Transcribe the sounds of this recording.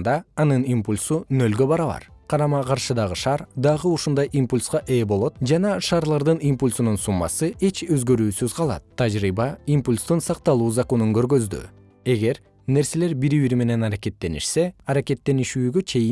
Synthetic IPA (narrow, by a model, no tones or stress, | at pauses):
nd̪ɑːnɯnimpulʲsunø̞lɡø̞bɑɾɑβɑ̰ɾqʰɑɾɑmɑqʰɑɾʃɯd̪ɑʁɯʃɑɾd̪ɑʁɯuʃund̪ɑjʔimpulʲsqɑʔe̞ːbo̞lˠo̞t̪d͡ʒɑnɑʃɑːɾlˠɑɾd̪ɯnimpulʲsununsumːɑ̰sɯʔe̞t͡ʃø̞zɡø̞ɾyːsyzqʰɑlˠɑ̰t̪ʰːɑd͡ʒɾibɑimpulʲst̪unsɑq̚t̪ɑlˠuːzɑko̞nuŋkø̞ɾɡø̞zd̪y̰ | e̞ɡe̞ɾ | ne̞ɾse̞le̞ɾbiɾiβiɾme̞ne̞nɑɾake̞t̪ːe̞nḭʃse̞ɑɾake̞t̪ːe̞niʃyːɡø̞t͡ʃʰe̞j